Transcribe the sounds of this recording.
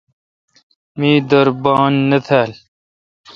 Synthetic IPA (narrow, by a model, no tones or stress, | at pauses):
miːd̪ɐɾbɑːnːɐt̪ʰaːl